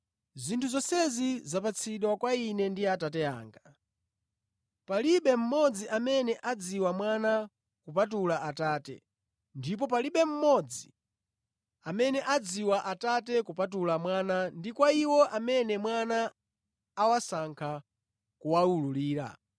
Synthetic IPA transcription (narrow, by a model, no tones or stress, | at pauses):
zintʰuzɔsɛzizapat͡sʰiɗwakwainɛndiatatɛa̰ːŋɡa | paliɓɛm̩mɔd͡ziʔamɛnɛʔad͡ziwamwana | kupat̬ulaʔataːtɛ̰ | ndip̬ɔpaliɓɛm̩mɔd͡zi | amɛnɛʔad͡ziwaʔatatɛkupatulamwanandikwaiwɔʔamɛnɛmwanaː | wasaŋkʰa | kuwaululiːɾa̰